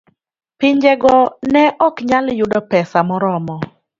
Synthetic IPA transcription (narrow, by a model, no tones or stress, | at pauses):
pɪɲd͡ʒɛɡɔnɛʔɔkɲaljʊdɔpɛsamɔɾɔmɔ